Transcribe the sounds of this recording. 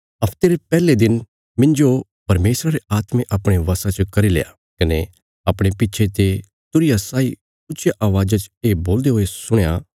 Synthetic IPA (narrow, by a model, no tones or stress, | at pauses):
ɐpʰt̪eːɾepɛːled̪ɪn | mɪ̃nd͡ʒo | pɐɾmeːsɾaɾeaːt̪mẽʔɐpɽ̃eʋɐsãt͡ʃkɐɾilḛːja | kɐne | ɐpɽ̃epɪtːʃʰet̪e | t̪ʊɾɪjasaːi | ʊt͡ʃʰjaʔaːʋaːd͡ʒat͡ʃeːboːld̪eɦoːesʊɽ̃ja